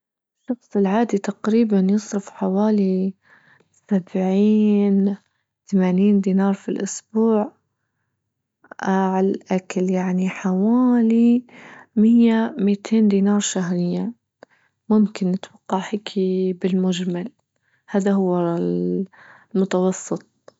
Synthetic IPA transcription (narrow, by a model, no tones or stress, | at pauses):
ɪʃːɑxsˤɪlʕaːd̪it̪aqɾiːbanjɨsˤɾʊfħawaːli | sabʕiːn | t̪amaːniːnd̪iːnɑːɾˤfilʔʊsbuːʕ | aʕalʔakaljaʕniħawaːli | mɪjːamiːt̪ʰeːnd̪iːnɑːɾˤʃaɦɾɪjːa | mʊmkɪnːɪt̪wɑqːɑʕhɪkʰibɪlmʊd͡ʒmal | haːðahʊwːa | lmʊt̪ɑwɑsˤːɨt̪̚ˤ